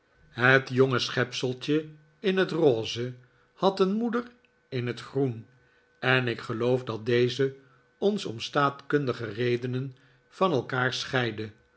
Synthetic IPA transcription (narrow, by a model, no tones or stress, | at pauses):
ɦətjɔŋəsχɛpsəlˠt͡ʃə | ɪnɦətroːzə | hɑtənmudər | ɪnɦətχrun | ɛnɪkχəlowfdɑt̚dejzə | ɔnsɔ̰mstaːtkɵndəχərejdənən | vɑnɛlˠkaːɹsχɛjdə